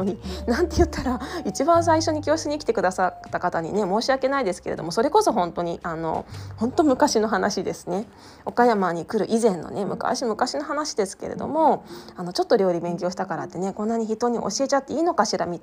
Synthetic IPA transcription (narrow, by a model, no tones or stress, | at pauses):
inãnt̪e̞jɯ̟t̪ːaɾait͡ɕibãɰ̃s̬aiɕo̞ɲ̟ikʲo̞ːɕi̥t͡sɨɲiːkʲi̥t̪e̞kɯ̟d̪asat̪ːakat̪aɲ̟ḭne̞mo̞ːɕiake̞naid̪e̞sɨ̥ke̞ɾe̞d̪omoso̞ɾe̞ko̞so̞ɦõ̞nt̪o̞ɲ̟iʔano̞̰hõ̞nt̪o̞mɯ̟kaɕino̞ɦanaɕid̪e̞sɨ̥ne̞ | o̞kajamaɲ̟ikɯ̟ɾɯ̟ʔizẽ̞nːo̰ne̞mɯ̟ka̰ɕimɯ̟kaɕino̞ɦanaɕid̪e̞sɨ̥ke̞ɾḛd̪o̞̰mo̞ano̞t͡ɕo̞t̪ːo̞ɾʲo̞ːɾʲibẽ̞ŋkʲo̞ːɕi̥t̪akaɾat̪ːene̞kõ̞nːaɲ̟içit̪o̞ːɲ̟iʔo̞̰ɕie̞t͡ɕat̪ːe̞iːno̞kaɕiɾa̰mʲit̪